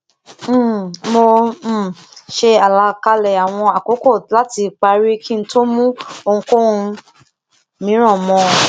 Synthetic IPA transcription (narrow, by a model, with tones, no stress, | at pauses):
m̩˦˨mo˧˨ | ʃe˧a˨la˨˧˦ka˧lɛ˨a˨w̃ɔ̃˧a˨ko˨˦kɔ˦˨la˦ti˧k͡pa˧ɾi˦kĩ˦n̩˦to˦mũ˦o˧ŋ̩̃˧ko˦ũ˧ | mĩ˨˦ɾ̃ɔ̃˦˨mɔ̃˨˧˨